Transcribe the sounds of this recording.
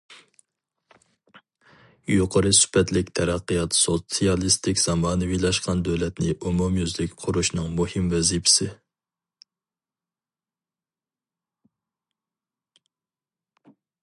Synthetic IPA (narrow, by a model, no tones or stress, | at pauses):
juqʰəɾɨsy̥pʰɛt̪lɪkʲt̪ʰɛɾɑqːəjɑt̪sot̪sijɑlˠist̪ɪkʲz̥ɑmɑːnɨwilˠɑʃqʰɑnd̪øwlɛt̪nɪʔumumjyzlɪkʲqʰʊɾuʃnɨŋmuhɪmvɛzipʰɪ̥sɪ